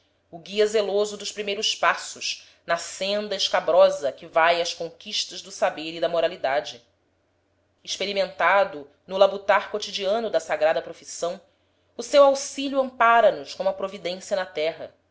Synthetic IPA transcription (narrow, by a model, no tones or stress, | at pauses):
ʊɡiɐzelozʊd̪ʊʃpɾimejɾʊʃpasʊʃ | nɐsẽnd̪ɐɪʃkabɾɔzɐkɪvajɐʃkõkiʃt̪ɐʒd̪ʊsabeɾid̪ɐmoɾalid̪ad͡ʒɪ | ɪʃpeɾimẽnt̪ad̪ʊ | nʊlabut̪aɾkot͡ʃid͡ʒiɐ̃nʊd̪ɐsaɡɾad̪ɐpɾofisɐ̃w̃ | ʊsewawsiʎuɐ̃mpaɾɐnʊʃkõm̃ɐpɾovid̪ẽsiɐnɐt̪ɛɦɐ̰